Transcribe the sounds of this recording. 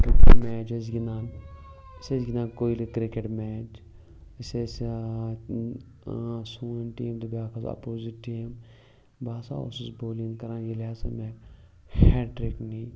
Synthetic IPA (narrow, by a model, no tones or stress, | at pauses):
kɾɪkeʈmɛːt͡ʃes̬ɡinaːn | sesɡinaːkoːilikɾikeʈmɛːt͡ʃ | ses | suːnʈiːmd̪ubaːkʰɐza̰poːziʈiːm | baːsa̰o̰ːsisboːlĩŋɡkɐɾãːnjilaːsɐ̰mɛːk | heːɖʈɾeknĩː